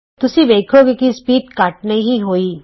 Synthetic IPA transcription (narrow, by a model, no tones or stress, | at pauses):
t̪ʊsibeːkʰoːɡekispiːʈ̪kaːʈ̚nɐɦĩɦoːiː